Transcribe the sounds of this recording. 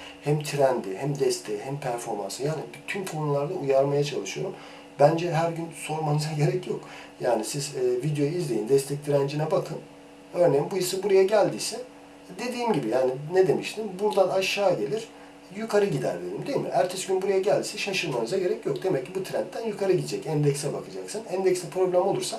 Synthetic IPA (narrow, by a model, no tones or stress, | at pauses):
hæmt̪ʰiɾænd̪ihæmd̪ɛst̪ʰejihæmpʰæɾfo̞ɾma̰nsɯjaːnibt̪ʰymkʰo̞nulˠaɾd̪ˠaujaɾmajat͡ʃʰalˠɯʃɯjo̞ɾum | bænd͡ʒɛɦæɾɟynso̞ɾmanɯzaɟe̞ɾɛcʰjok | jaːnisizɛːvid̪ejojizlʲejind̪ɛst̪ʰɛc̚t̪ʰiɾænd͡ʒinɛbakʰɯn | ø̞ɾnejimbujɯsɯbuɾajaɟælʲd̪iːsɛ | d̪e̞d̪iːmɟibijaːninɛd̪e̞miʃt̪ʰimbuɾd̪anaʃːaːɟe̞lʲiɾ̥ | jukʰaɾɯɟid̪æ̰ɾlʲeɾimd̪ejimḭʔæɾt̪ʰɛsɟynbuɾajaɟælʲd̪isɛʃaʃɯɾmanɯzaɟe̞ɾɛcjo̞k̚d̪e̞mɛc̚ʰːibut̪ʰɾænt̪ʰːænjykʰaɾɯɟid̪d͡ʒɛcænd̪ɛcsɛbakʰɯd͡ʒaksɯnænd̪ɛcsɛpʰɾo̞blʲæmolˠuɾsa